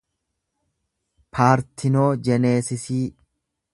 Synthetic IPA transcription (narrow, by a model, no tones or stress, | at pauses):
pʰaːɾt̪ʰɪnoːd͡ʒɛneːsɪsiː